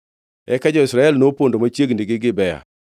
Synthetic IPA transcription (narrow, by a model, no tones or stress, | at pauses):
ɛkad͡ʒɔɪsɾaɛlnopondomat͡ʃjeɡndiɡɪɡɪbɛja̰